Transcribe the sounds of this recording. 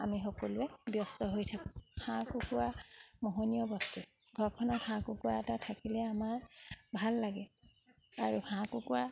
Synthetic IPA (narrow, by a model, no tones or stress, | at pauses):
a̰mixɔkɔluɛbjɔst̪ɔɦojtʰakũhãkukuwamɔɦonijɔbɔstu | ɡʱɔɹkʰɔnɔthãkʊkuwaɛtatʰakilɛamaɹbʱalːaɡɛ | aɹuhãkukuwa